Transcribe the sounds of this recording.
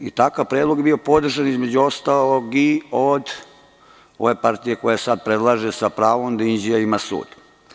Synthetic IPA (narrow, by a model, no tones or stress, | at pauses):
it̪akaʋpɾed̪lˠo̞ɡjebio̞po̞d̪r̩ʒanizme̞d͡ʑuo̞st̪aloɡiod̪ | o̞̰ʋe̞paɾt̪ije̞ko̞jasad̪̚pɾed̪lˠaːʒesapɾaːʋomd̪ind͡ʑiaimasṵːd̪